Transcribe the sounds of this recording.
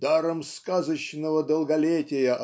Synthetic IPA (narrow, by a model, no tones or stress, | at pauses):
d̪aɾəmskazət͡ɕnəvəd̪əlˠɡɐlʲetʲɪjəʔ